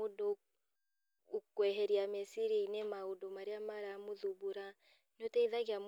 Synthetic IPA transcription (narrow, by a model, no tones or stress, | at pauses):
odo | ukwɛɦɛɾiamesiɾiinemaodomaɾeamaɾamoðuβuɾa | notɛiðaɣeam